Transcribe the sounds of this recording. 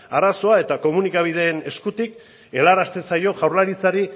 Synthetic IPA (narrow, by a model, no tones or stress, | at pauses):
aɾaso̞ae̞t̪ako̞munikaβ̞ið̞e̞ːne̞skut̪ik | e̞laɾast̪e̞sajo̞ɣawɾlaɾit͡saɾi